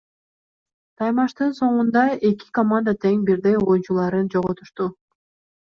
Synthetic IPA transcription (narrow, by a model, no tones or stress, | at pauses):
t̪ʰɑjmɑʃt̪ɯnso̞ɴund̪ɑe̞ki̥komand̪at̪ʰe̞ŋbiɾd̪ejojunt͡ʃulˠɑɾɯnd͡ʒo̞ʁot̪ʰuʃt̪u